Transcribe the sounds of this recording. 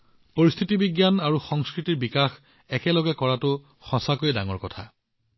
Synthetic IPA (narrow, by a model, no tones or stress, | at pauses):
poɹist̪ʰitibiɡjanaɹuxɔŋskɹitiɹbikax | ɛkɛlɔɡɛkɔɹatʊ | xɔsakojda̰ŋɔɹkɔtʰa̰